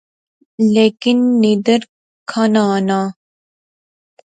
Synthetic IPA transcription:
lekinːid̪əɾ | kʰanaːna

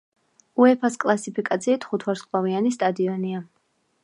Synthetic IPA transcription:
uɛpʰaskʼlˠasipʰikʼat̪sʰiːt̪ʰχut̪ʰwaɾskʼlˠavianist̪ʼad̪iɔnia

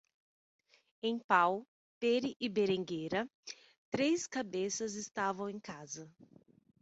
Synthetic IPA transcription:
ẽj̃paw | peɾɪʔɪbeɾẽŋɡeɾɐ | t̪ɾeskabesɐzɪst̪avɐ̃w̃ẽj̃kazɐ

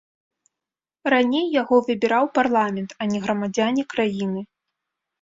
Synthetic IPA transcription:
ranʲejːaɣɔvɨbʲiɾawparlˠamʲɛnt̪ɐnʲɛɣɾɐmad͡zʲanʲɛkɾajinɨ

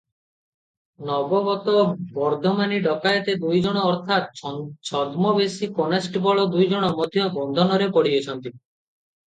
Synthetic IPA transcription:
nɔbɔbɔt̪ɔbɔɾd̪ʱɔmaniɖɔkajɔt̪ed̪ujd͡ʒɔɽ̃ɔːɾt̪ʰat̪̚t͡ʃʰɔd̪mɔbesikɔnasʈbɔɭɔd̪ujd͡ʒɔɽ̃ɔmɔd̪ʱjɔbɔnd̪ʱɔnɔɾepɔɽiet͡ʃʰɔnt̪i

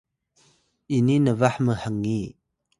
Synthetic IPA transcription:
ʔininəvaħməhaŋːi

